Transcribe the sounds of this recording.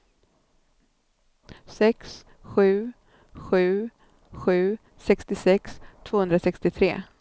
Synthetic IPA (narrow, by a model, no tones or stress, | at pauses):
sɛks | ɧʉ̟ː | ɧʉ̟ː | ɧʉ̟ː | sɛkst̪ɪsɛkst̪ʰvoːhɵnd̪ɾasɛkst̪ɪt̪ʰɾḛː